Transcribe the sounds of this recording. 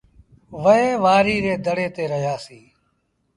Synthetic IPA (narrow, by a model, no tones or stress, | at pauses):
ʋəeːʋaːɾiːɾeːd̪əɽeːt̪eːɾəɦjaːsiː